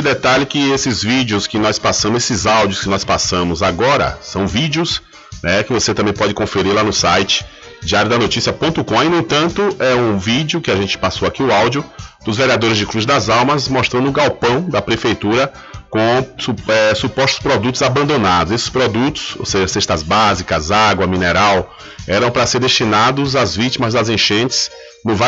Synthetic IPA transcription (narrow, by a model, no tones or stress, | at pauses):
ɪd̪ɛt̪aʎʊkɪesɪzvid͡ʒjʊskɪnɔjspasɐ̃mesɪzawd͡ʒiʊskɪnɔjspasɐ̃mʊzaɡɔɾɐ̰sɐ̃w̃vid͡ʒjʊs | nɛkɪvoset̪ɐ̃mbẽj̃pɔd͡ʒɪkõfeɾiɾlanʊsajt͡ʃɪ̥ | d͡ʒiaɾjʊd̪ɐnot͡ʃisiɐpõt̪ʊkõinũẽt̪ɐ̃nt̪ʊʔɛũvid͡ʒjʊkɪaʒẽnt͡ʃɪ̥pasowakiʊawd͡ʒjʊd̪̥ʊzveɾiad̪oɾɪzd͡ʒɪkɾuzd̪ɐzawmɐzmɔʃt̪ɾɐ̃nd̪ʊʊɡawpɐ̃w̃d̪ɐpɾefejt̪uɾɐ | kõsɛsupɔst̪ʊ̥spɾɔd̪ut̪ʊzabɐ̃nd̪õnad̪ʊzesɪ̥spɾod̪ut̪ʊ̥so̰wseʒɐseʃt̪ɐzbazikɐzaɡwɐmĩneɾaw | ɛɾɐ̃w̃pɾɐseɾd̪esʃt͡ʃinad̪ʊzazvit͡ʃimɐzd̪ɐzẽʃẽt͡ʃɪ̥s | nʊv